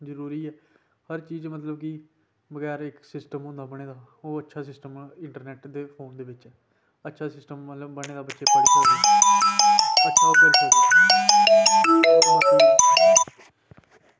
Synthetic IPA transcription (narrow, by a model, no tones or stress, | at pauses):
zəɾuːɾiːɛː | həɾt͡ʃiːd͡ʒmət̪ləb̚kɪ | bəɡɛːɾɪksɪsʈəmɦʊ̃nd̪aːbəɽ̃eːd̪aː | oːətːʃʰaːsɪsʈəmɪ̃ɳʈəɾnɛːʈd̪eːpʰoːnd̪eːʋɪt͡ʃɛː | ətːʃʰaːsɪsʈəmːələbːəɽ̃eːd̪aːbətːʃeːpaːɾaɛ | ətːʃʰaːɪkʊlː | aː